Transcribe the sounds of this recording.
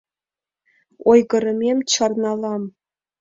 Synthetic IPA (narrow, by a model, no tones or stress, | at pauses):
ojɡɤ̆ɾɤ̆mʲemʲt͡ɕɑrnɑlˠɑm